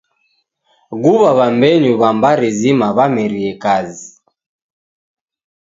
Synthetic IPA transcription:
ɡuβaβambɛɲuβambaɾizimaβamɛɾiɛkazi

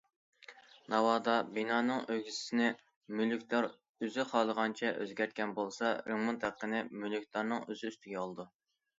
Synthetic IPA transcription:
nɑwɑːd̪ɑbinɑːnɨŋøɡʲissɪnɪ | mylykʰʲt̪ˠɑɾ | yzɪqʰɑːlˠəʁɑnt͡ʃʰɛʔø̰zɡʲɛɾt̪̚kʲʰɛnbolˠsɑɾeŋmɨt̪ʰæqːənɪmylyk̚ʲt̪ˠɑɾnɨŋøzyyst̪ʰɪɡʲɛɑlˠɨd̪u

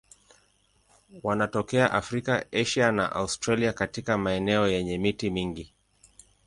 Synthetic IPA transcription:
wanatɔkɛaʔafɾikaɛʃana̰ʔa̰ustɾaliakatikamaɛnɛɔjɛɲɛmitimiŋɡi

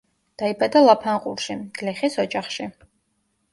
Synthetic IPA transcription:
d̪̥aibad̪alˠapʰanqʼṵɾʃiɡ̥liχisɔd͡ʒaχʃi

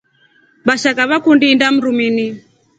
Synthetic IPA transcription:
baʃakaβakundiːndam̩ɾumini

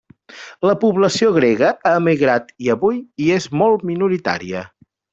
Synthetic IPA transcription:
ləpuβləsioɣ̞ɾeɣəaəmiɣɾat̪iəβujiezmɔlˠt̪minuɾit̪a̰ɾḭə̰

